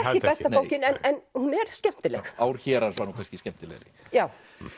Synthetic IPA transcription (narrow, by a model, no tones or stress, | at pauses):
ɛcɪpɛst̪afowcɪnɛnɛnhunɛɾ̥scɛm̥t̪ɪlɛxawɾ̥çɛːɾansvaɾnuːkʰajnscɪscɛm̥t̪ɪlɛ̰ɾɪ | jaːw